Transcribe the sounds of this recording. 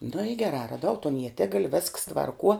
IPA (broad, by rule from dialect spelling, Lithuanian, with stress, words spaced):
nʊ ɪ ɡʲɛˈrɑː rɐˈdɐʊ toːn iɛˈtʲɪɡɐlʲ ʋʲɛsks tʋɐrˈkuɔ